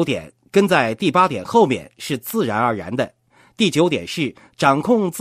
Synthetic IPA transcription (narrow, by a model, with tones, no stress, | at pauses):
t̪jɛ̰˨˩˦n | kə˥nt͡sa˥˧ɪt̪i˥˩pa˥t̪jɛ˨˩nxo˥˧ʊmjɛ̰˥˩nʂɻ̩˥˧t͡sɹ̩˥˩ɻa˧˥nə˞˧˥ɻa̰˧˥nd̪ə˧ | t̪i˥˩t͡ɕjo˧˥ʊt̪jɛ˨˩nʂɻ̩˥˩ | ʈ͡ʂɑ˨˩ŋkʰʊ˥˧ŋt͡s